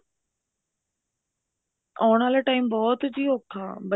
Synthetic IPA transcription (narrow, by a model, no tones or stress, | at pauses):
ɔːɳ̃aːlaʈaːimbɔːt̪d͡ʑiːoːk̚t̪ʰaːbə